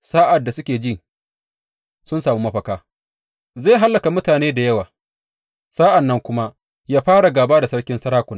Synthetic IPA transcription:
saː˦ʔa˨dːa˨sʊ˦kʲeː˨d͡ʒɪ˦ŋ | sʊ˦nsaː˨mu˦mɐ˦ɸɐ˨kaː˦ | zeː˦˨ɦa˦lːɐ˨ka˨mʊ˦taː˨neː˦da˨jɐ˦waː˨ | saː˦ʔa˨nːɐ˦ŋkʷʊ˦ma˦ʔ | jaː˦ɸaː˦ɽa˨ɡaː˨baː˦da˨sɐ˦ɽkʲɪ˦nsɐ˦ɽaː˦kʷʊ˨n˦

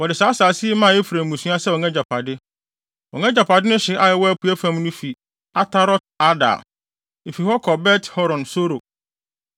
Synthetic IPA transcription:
wɔ˨dɪ˨saː˨˦saː˨sɪ˦e˦mã˦˨e˦fu˨ɾæ˨mũ˨sũ˦a˦sɛ˦wɔ˨ŋɛ̃˦d͡ʑa˨pʰa˨dɪ˦ | wɔ˨ŋɛ̃˦d͡ʑa˨pʰa˨dɪ˦nʊ̃˦ɕɪ˨ʔa˦jɛ˨wɔ˦æ˦pʰu˨˦æ˦fã˦mnʊ̃˦fi˨ | a˦tʰa˦ɾɔ˦t̚a˦da̰˨ | e˨fi˨hɔ˦kʰɔ˨bɛ˦tʰhɔ˦ɾɔ̃˨nso˦ɾo˨

